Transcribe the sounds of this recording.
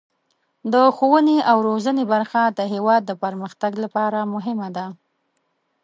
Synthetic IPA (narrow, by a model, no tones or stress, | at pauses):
d̪əxowəneʔawɾozənebaɾxad̪əɦewɑd̪ːəpəɾməxt̪aɡlapɑɾamʊɦɪmad̪a